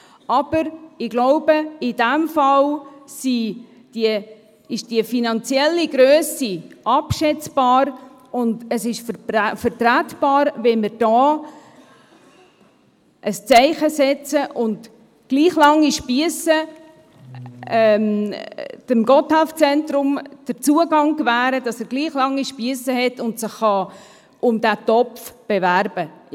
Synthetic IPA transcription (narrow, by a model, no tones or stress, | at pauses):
ɑb̥əɾɪɡloʊbəɪdæmfɑlsi | d̥i | ɪʃd̥iəfinɑnt͡sjɛlːiɡɾøːsiʔɑpʃɛt͡sb̥ɑːɾ | ʊndəsɪʃfəɾt̪ɾætb̥ɑːɾvɛmɪɾd̥ɑː | ʔəst͡sɛɪχəsɛt͡səʔʊnd | ɡ̥liːχlɑŋːiʃpiəsə | ɛm | d̥əmɡɔthɛlft͡sɛntɾʊmd̥əɾt͡suəɡɑŋkvæːɾəd̥ɑsəɾɡ̥liːχlɑŋːiʃpiəsəɦɛtʊntsəχːɑ | ʊmdætɔpfb̥eværb̥ə